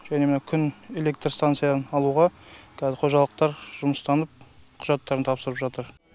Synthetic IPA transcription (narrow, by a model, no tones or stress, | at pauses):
ʒ̥ænemnɑkʲʰʏne̞le̞kt̪ɾst̪ant̪sɨjanɑlˠuʁɑkʲʰæzɪqʰo̞ʒɑlˠəq̚t̪ɑɾʒʊməst̪ɑnəp̚qʰʊ̥ʒɑt̪ːɑɾənt̪ʰɑpsəɾəpʒɑt̪əɾ